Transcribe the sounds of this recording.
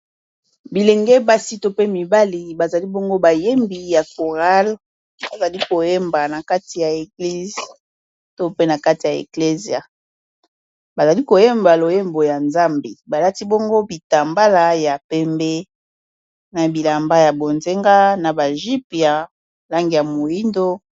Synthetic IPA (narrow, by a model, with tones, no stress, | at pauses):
bi˨le˨ŋɡɛ˦ba˦si˦to˦pe˦mi˨ba˦li˨ba˨za˨li˦bo˦ŋɡo˦ba˨je˦mbi˨ja˨ko˨ʁa˦l | ba˨za˨li˦ko˨je˦mba˨na˨ka˦ti˨ja˨e˨ɡli˦z | to˦pe˦na˨ka˦ti˨a˨ḛ˨kle˦zi˨a̰˨ | ba˨za˨li˦ko˨je˦mba˨lo˨je˦mbo˨ja˨nza˦mbe˨ba˨la˦ti˦bo˦ŋɡo˦bi˨ta˨mba˦la˦ja˨pɛ˦mbe˦ | na˨bi˨la˨mba˦ja˨bo˨nze˦ŋɡa˦na˨ba˨ʒi˦pja˨ | la˦ŋɡi˨ja˨mo˨ji˦ndo˦